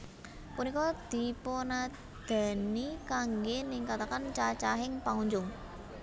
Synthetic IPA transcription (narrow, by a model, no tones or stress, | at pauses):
kunikɔd̪̥i̤pona | d̪̥a̤nikaŋɡenɪŋkat̪akant͡ʃat͡ʃaɦɪŋpaŋuɲd͡ʒʊŋ